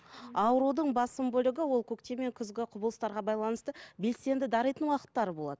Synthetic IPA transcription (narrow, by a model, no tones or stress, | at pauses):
ɑwɾud̪əɴbɑsəmbɵlɪɡʲɪwolˠkʲʰɵkt̪e̞me̞ŋkʲʰʏzɡʲɪqʰʊbəlˠəst̪ɑɾʁɑbɑjlˠɑnəst̪əbe̞lse̞nd̪ɪd̪ɑɾəjt̪ənwɑqə̥t̪ːɑɾəbo̞lˠɑ̰d̪əə